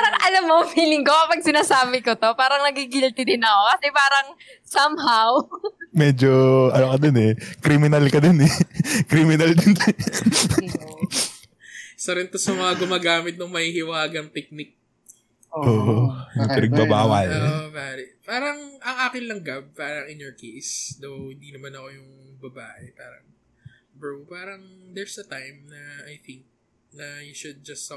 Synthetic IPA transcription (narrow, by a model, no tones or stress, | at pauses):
pːɾɐŋʔɐlamːofiːlɪŋkokɐpɐɡ̚sɪnaːsaːbɪkot̪o̞paːɾɐŋnɐɡiɡɪlt̪ɪd̪ɪnɐko̞kɐsɛpaːɾɐŋsɐmɦawmɛːd͡ʒoʔɐnokɐd̪onɛkɾimɪnɐlkɐd̪onɛkɾimɪnɐld̪onɛ | sɐɾɪnt̪osɐmɐŋaɡʊmaːɡaːmɪt̪̚nʊŋmɐhiːhɪwaːɡɐŋp̪ɛk̚nik̚ | ʔoʔoːʔonɐɡ̚t̪ɪɾɪɡ̚bɐbaːwɐloːʔobaːɾɪpaːɾɐŋʔɐŋʔaːkɪnlɐŋɡɐb̚paːɾɐŋɪnjɔɹkʰejsd̪owhɪ̃nd̪inɐmanɐko̞jʊŋbɐbaːʔɛpaːɾɐ̰ŋ | bɹowpaːɾɐŋd̪ɛɹsd̪ɐt̪ajmnɐajθɪŋk̚ | nɐjuʃʊd̪̚d͡ʒɐs